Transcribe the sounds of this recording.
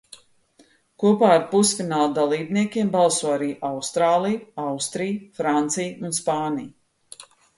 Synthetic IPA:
kuɔpaːɾpusfinaːlˠd̪alˠiːbniɛkʲiɛmbalˠsuɔaɾiːʔawst̪ɾaːlˠijawst̪ɾijfɾant̪sijunspaːnij

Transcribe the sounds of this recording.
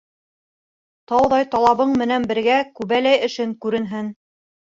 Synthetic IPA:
t̪ɑwðɑjt̪ɑlˠɑβɤɴmɘ̆nænbɘ̆ɾɡækʉβælæjɘ̆ʃɘŋkʉɾɘ̆nɦɘn

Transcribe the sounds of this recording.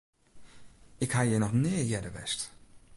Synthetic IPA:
ɪkhajənɔχnɪːjɛdəʋɛ̰st

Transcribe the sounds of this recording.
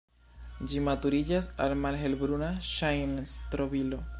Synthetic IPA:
d͡ʒimatuɾid͡ʒasalmalɦe̞lbɾunaʃajnstɾobilo̞

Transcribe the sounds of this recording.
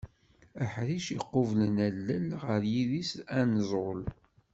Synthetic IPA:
æħɾiʃiqːovlənælːəlʁəɾjiðisænəzˤʊl

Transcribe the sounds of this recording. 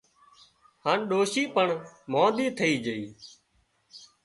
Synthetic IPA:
hãːnɗoːʃiːpəɳmõːd̪iːt̪ʰəiːd͡ʒəḭː

